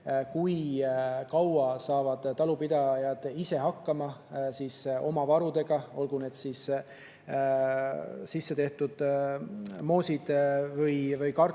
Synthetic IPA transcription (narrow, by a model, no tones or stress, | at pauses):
kujkɑwɑsɑːvɑd̪̥t̪ːɑlupid̪ɑjɑd̪̥ise̞ɦɑkːɑmɑsiːso̞mɑvɑɾud̪e̞ɡ̥ɑo̞lɡ̥une̞ːd̪̥siːs | sisːe̞t̪e̞ht̪ud̪̥ | mo̞ːsʲid̪̥vɤjvɯjkɑr